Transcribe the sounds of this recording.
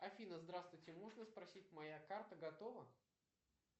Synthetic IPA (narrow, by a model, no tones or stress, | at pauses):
ɐfʲinəzd̪ɾast̪vʊjtʲɪmoʐnəspɾɐsʲit̚ʲmɐjakart̪əɡɐt̪ovə